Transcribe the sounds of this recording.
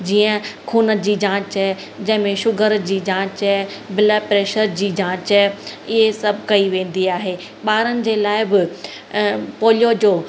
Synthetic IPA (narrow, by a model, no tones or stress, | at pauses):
d͡ʑiːə̃kʰuːnəd͡ʑiːd͡ʑãːt͡ɕɛ | d͡ʑɐ̃ɦɪ̃mẽʃʊɡʱəɾd͡ʑiːd͡ʑãːt͡ɕɛbɪləpɾeːʃəɾd͡ʑiːd͡ʑãːt͡ɕɛɪɦesɐbʱɪkɐiʋẽːn̆d̪iaːɦe | ɓaːɾənɪ̆d͡ʑeːlaːɪbɪ | poːljod͡ʑoː